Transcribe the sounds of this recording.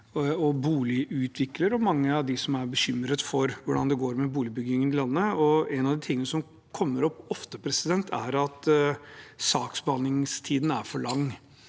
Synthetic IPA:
ɔbuːlɪʔʉːt̪ʰʋɪkləɾɔmɑŋːəɑʋd̪ɪsɔmæɾbəɕʏmɾət̪fɔɾʋʊɖɑnd̪ɛɡoːɾmɛbuːlɪbʏɡɪŋənɪlɑnːəɔɛnɑʋd̪ɪt̪ʰɪŋːənəsɔm | kʰɔmːəɾɔpːɔft̪əpʰɾɛsɪd̪ɛnt̪ʰæɾɑt̪ | sɑːksbɑnɪŋst̪ʰiːd̪n̩æɾfɔɭɑŋː

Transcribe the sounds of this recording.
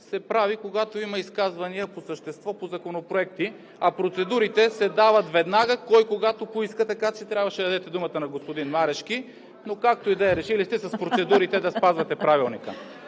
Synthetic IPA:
sɛpɾavikoɡat̪oimɐiskazvɐniəposəʃt̪ɛst̪vɔpozɐkonopɾoɛk̚t̪i | ɐpɾot̪sɛd̪uɾit̪ɛsɛd̪avət̪vɛd̪naɡəkɔjkoɡat̪opoiskət̪ɐkat͡ʃɛt̪ɾʲabvɐʃɛd̪ɐd̪ɛt̪ɛd̪umət̪ənɐɡospod̪inmaɾɛʃk̟i | nokak̚t̪oid̪ɛɾɛʃilist̪ɛsɐspɾot̪sɛd̪uɾit̪ɛd̪ɐspazvɐt̪ɛpɾavilˠnikə

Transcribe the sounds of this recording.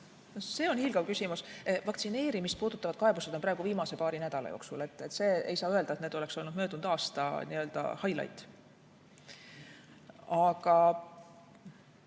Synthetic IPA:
nose̞ːo̞nhilɡ̥ɑwkysʲimusvɑkt̪sine̞ːɾimist̪̚puːd̪̥ut̪ːˑɑvɑd̪̥kɑe̞buse̥o̞npɾɑeɡ̥uviːmɑse̞pɑːɾinæd̪̥ɑlɑ̰joːksṵle̞t̪ːˑet̪ːˑse̞ːḛjsɑːøe̞ld̪ɑet̪neːd̪o̞le̞kso̞lnud̪̥mø̞ːd̪und̪̥ɑːst̪ɑ̰niø̞ld̪̥ɑ̰hɑjlɑ̰jt̪ | ɑɡɑ

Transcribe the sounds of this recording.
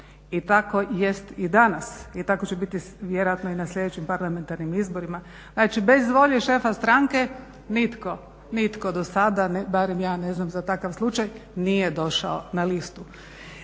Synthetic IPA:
it̪ako̞je̞st̪id̪anasit̪akot͡ɕebit̪i | ʋjeɾojat̪noinaslʎʲe̞d̪et͡ɕimpaɾlˠame̞nt̪aɾnimizbo̞ɾima | znat͡ʃibe̞zʋo̞ʎeʃe̞ːfast̪ɾaŋke̞ | nit̪ko̞ | nit̪ko̞d̪osad̪anbaɾemjaːne̞znamzat̪akaʋslˠut͡ʃajnije̞d̪o̞ʃa̰onalist̪u

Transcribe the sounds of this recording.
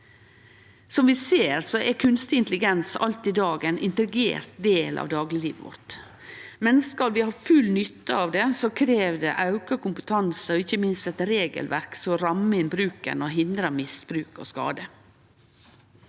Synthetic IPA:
sɔmʋɪseːɾsɔʔɛkʰʉnst̪ɪnt̪lɪɡɛnsɑ̰lt̪ɪd̪ɑːɡɛnʔɪnt̪ɾɪɡḛːɾt̪̚d̪eːlʔɑ̰ʋd̪ɑːɡlɪliːʋəʋɔ̰ɾt̪ | mɛnskɑlʋɪhɑːfʉlnʏt̪ːəɑːʋd̪ɛsokʰɾeːʋd̪ɛʔɑʉkəkʰʊmpət̪ʰɑnsəɔɪçːəmɪnst̪ɛt̪ɾeːɡə̰lʋæɾksɔɾɑməɪnbɾʉːkə̰noɦɪnd̪ɾɑmɪsb̥ɾʉːko̰ːskɑ̰ːd̪ə

